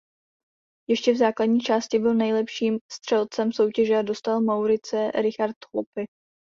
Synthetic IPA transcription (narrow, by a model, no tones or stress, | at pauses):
jɛʃcɛvzaːkladɲiːt͡ʃaːscɪbɪlnɛjlɛpʃiːmst̪r̝̥ɛlt͡sɛmso̞wcɛʒɛado̞st̪almawɾɪt͡sɛɾɪxaɾt̪hopɪ